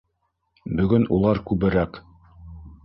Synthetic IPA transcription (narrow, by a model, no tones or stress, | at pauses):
bɵ̆ɡɵnulˠɑɾkʉβɘ̆ɾæk